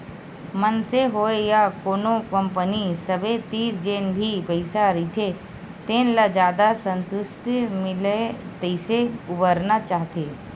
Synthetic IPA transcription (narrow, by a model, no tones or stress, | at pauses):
mənseɦoːejakoːnokə̃mpənisəbʱet̪iːɾd͡ʒeːnbʱipəɪsaɾit̪ʰe | t̪eːnlad͡ʒjaːd̪asə̃nt̪ʊʃʈmɪlet̪əɪseʊbəɾnat͡ʃaːɦt̪eː